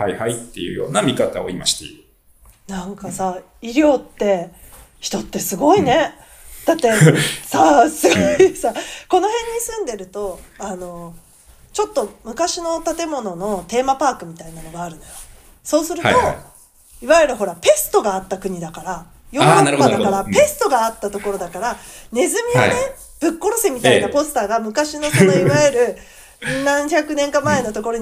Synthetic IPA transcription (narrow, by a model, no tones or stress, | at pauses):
hajhait̪ːe̞̰jɯ̟̰jo̞̰ːnamʲikat̪ao̰ima̰ɕi̥t̪ḛɯ | nãŋkasa | iɾʲo̞ːt̪ːe̞ | çi̥t̪ot̪ːe̞sɨɡo̞ine̞ | d̪̥at̪ːe̞sasɨɡosako̞no̞ɦẽ̞ɲ̟ːisɨ̃nd̪e̞ɾɯ̟t̪o̞ano̞ | t͡ɕo̞t̪ːo̞mɯ̟kaɕino̞t̪at̪e̞mo̞no̞no̞t̪e̞ːmapaːkɯ̟mʲit̪ainano̞ɡaːɾɯ̟nojo | so̞ːsɨɾɯ̟̰t̪o | iβajɯɾɯ̟ɦo̞ɾape̞sɨ̥t̪o̞ɡaːt̪ːakɯ̟ɲ̟id̪akaɾa | joakad̪akaɾape̞sɨ̥t̪o̞ɡaːt̪ːat̪o̞ko̞ɾo̞d̪akaɾane̞zɨmʲione | b̥ɯ̟kːo̞ɾo̞semʲit̪ainapo̞sɨ̥t̪aːɡamɯ̟kaɕino̞kot̪ːoiβajɯɾɯ̟ | nãɰ̃çakɯ̟nẽ̞ŋkamae̞no̞t̪o̞ko̞ɾo̞